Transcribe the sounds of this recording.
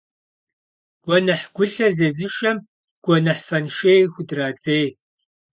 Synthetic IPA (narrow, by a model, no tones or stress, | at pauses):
ɡ̥ʷɔnɐħɡ̥ʷʊɬɐzɐzɨʃɐm | ɡ̥ʷɔnɐħfɐnʃeːjxʷʊdraːt͡sʼeːj